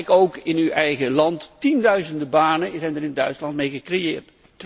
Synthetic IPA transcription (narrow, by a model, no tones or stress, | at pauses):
kowkɪnywʔɛjχəlɑnttindœɥzəndəbaːnəzɛjndərɪnədœɥtslɑnt̚mejχəkrejɪːɹt